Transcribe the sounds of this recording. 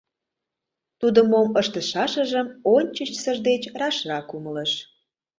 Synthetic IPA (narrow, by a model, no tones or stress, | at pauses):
t̪ud̪ə̆moməʃt̪əʃɑʃə̆ʒəmonʲt͡ɕət͡ɕsəʒd̪et͡ɕrɑʃrɑkumələʃ